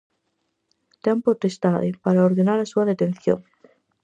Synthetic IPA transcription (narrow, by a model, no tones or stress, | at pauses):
t̪eampot̪est̪aðepaɾaoɾðenaɾasuaðet̪enθjo̰ŋ